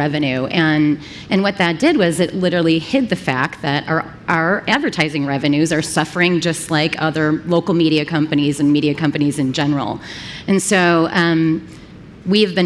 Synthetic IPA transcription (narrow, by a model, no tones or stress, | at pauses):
ɛvɨnʉʔɨ̃n | ʔɨ̃nwʌt̪̚ðɨt̚d̥ɪd̚wʌzɨtˡlɪɾə˞l̩ˠihɪd̪̚ðɨfæk̚t̪̚ðɨɾə˞ | ʔaə˞ʔædvə˞tʰaɪzɪ̃ŋɹɛvɨnʉzə˞sʌfə˞ɪ̃ŋd͡ʒʌstˡlaɪkʰʌðə˞loʊkl̩ˠmiɾiɨkʰʌ̃mpɨnizɨ̃n̩miɾiɨkʰʌ̃mpɨnizɨ̃nd͡ʒɛnə˞l̩ˠɨ̃nsoʊʌ̃m | wiɨvbɨ̃